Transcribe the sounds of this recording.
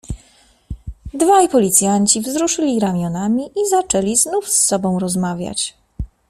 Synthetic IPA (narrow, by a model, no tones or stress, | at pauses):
d̪vajpɔlʲit̪sʲjaɲt͡ɕivzɾuʂɘlʲiɾamʲjɔnamʲiʔizat͡ʂɛlʲiznufsːɔbɔ̃w̃ɾɔzmavʲja̰t͡ɕ